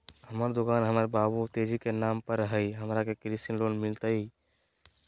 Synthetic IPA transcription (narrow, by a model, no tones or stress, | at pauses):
həməɾd̪okanɦəməɾbabut̪ed͡ʒikenampəɾːəɦəjɦəmɾakekɾisinlonmilt̪əj